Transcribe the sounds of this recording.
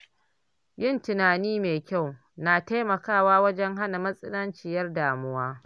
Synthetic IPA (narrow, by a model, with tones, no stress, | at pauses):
jɪ˦˨ntɪ˨naː˨niː˦meː˨kʲa˦˨w | naː˨ta˦jmɐ˨kaː˦˨waː˦wɐ˦d͡ʒɛ˦ŋɦa˦na˨mɐ˦sʼɪ˦nɐ˦nt͡ʃɪ˨jɐ˦rdaː˨mʊ˦waː˦